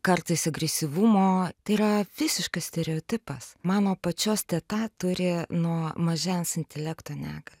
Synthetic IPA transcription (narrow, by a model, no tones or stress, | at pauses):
kɐrt̪ɐɪsɐɡɾʲɛsʲɪʋumoːt̪ɐɪiɾɐʋʲɪsʲɪʃkɐssʲt̪ʲɛɾʲɛoːt̪ʲɪpɐsmɑːnoːpɐt͡ʃʲoːst̪ʲɛːt̪ɑt̪ʊɾʲɪnuɔmɐʒʲɛnsɪnʲt̪ʲɛlʲækt̪oːnʲæːɡɐlʲ